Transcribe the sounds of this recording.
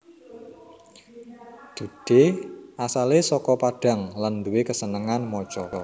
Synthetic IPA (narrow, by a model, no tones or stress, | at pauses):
d̪̥ṳd̥eʔasalesɔkɔpaɖ̥a̤ŋland̪uwekəsənəŋanmɔt͡ʃɔɾɔ